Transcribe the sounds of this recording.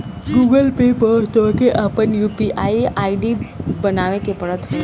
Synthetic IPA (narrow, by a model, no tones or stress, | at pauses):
ɡuɡəlpebəɦt̪okeʔəpənjupiʔaiʔaiɖibənaʋekepəɽət̪ɦɛ